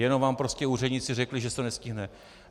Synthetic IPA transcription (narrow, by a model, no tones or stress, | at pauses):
jɛno̞mvaːmpɾoscʲɛuːrɛdɲɪt͡sɪrɛklɪʒɛsɛnɛscɪɦnɛ